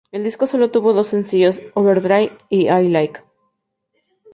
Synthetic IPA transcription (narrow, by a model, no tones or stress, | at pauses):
e̞ld̪isko̞so̞lo̞t̪uβo̞ðo̞sːe̞nsiʝo̞soβeɾðɾajiajlajk